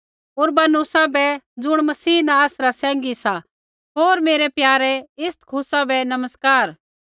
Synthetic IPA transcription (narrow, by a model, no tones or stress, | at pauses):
ʊːɾbaːnʊsabɛd͡zʊɽ̃mɐsiːnãaːsɾasɛ̃ːŋ̆ɡisa | ɦoːɾmeːɾɛpjaːɾɛɪst̪kʰʊsabɛnɐməskaːɾ